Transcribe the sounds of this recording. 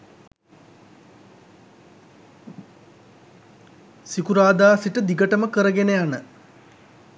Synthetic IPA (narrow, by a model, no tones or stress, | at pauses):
sikuɾaːd̪aːsiʈəd̪iɡəʈəməkəɾəɡenejanə